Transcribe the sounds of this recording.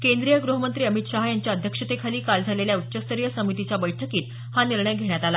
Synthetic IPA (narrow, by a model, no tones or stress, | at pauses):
kend̪ɾijəɡɾuɦəmənt̪ɾiːəmit̪ɕaɦajaɲt͡ɕjaəd̪ʱjəkʂət̪ekʰaliːkald͡zʱaleljaut̪ːɕəst̪əɾijəsəmit̪it͡ɕabəjʈʰəkiːt̪ | haniɾɳəjɡʱeɳ̃jat̪ala